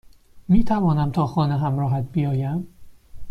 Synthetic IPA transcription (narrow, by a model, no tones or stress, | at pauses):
miːt̪ʰævɒːnæmt̪ʰɒːxɒːneɦæmɾɒːɦæt̪̚bijɒːjæm